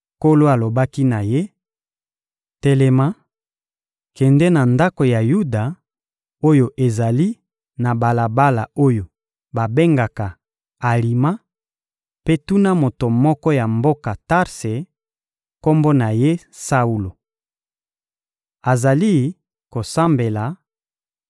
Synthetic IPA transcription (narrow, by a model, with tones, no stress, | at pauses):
ko˦lo˦a˨lo˨ba˦ki˦na˨je˦ | tɛ˨lɛ˨ma˦ | kɛ˨ndɛ˦na˨nda˦ko˨ja˨ju˦da˨ | o˦jo˨ʔe˨za˨li˦ | na˨ba˨la˨ba˦la˨o˦jo˨ | ba˨be˦ŋɡa˨ka˨ | a˨li˨ma˦ | pe˦tu˦na˦mo˨to˨mɔ˦kɔ˦ja˨mbo˦ka˨ta˦ʁse˨ | ko˦mbo˦na˨je˦ | sa˦u˦lo˨ | a˨za˨li˦ | ko˨sa˦mbe˨la˨